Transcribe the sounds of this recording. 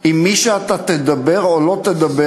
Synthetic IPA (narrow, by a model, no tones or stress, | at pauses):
imːiʃeat̪at̪ed̪abe̞ʁolo̞t̪ed̪abe